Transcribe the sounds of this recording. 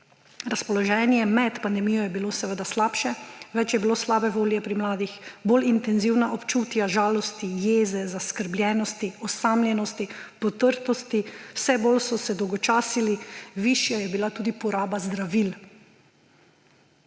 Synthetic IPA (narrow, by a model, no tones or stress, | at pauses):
ɾaspɔlɔʒɛːnjɛmɛt̪pand̪ɛmijɔjɛbilosɛʋəd̪aslaːpʃɛʋɛt͡ʃjɛbiloslaːbɛʋoːljɛpɾimlaːd̪ixboːlint̪ɛnziwnaʔɔpt͡ʃuːt̪jaʒaːlɔst̪ijeːzɛzaskəɾblʲjɛːnɔst̪iɔsaːmlʲjɛnɔst̪ipɔt̪əɾt̪ɔst̪iwsɛboːlsɔsɛd̪ɔwɡɔt͡ʃaːsiliʋiʃjajɛbilat̪uːd̪ipɔɾaːbazd̪ɾaʋil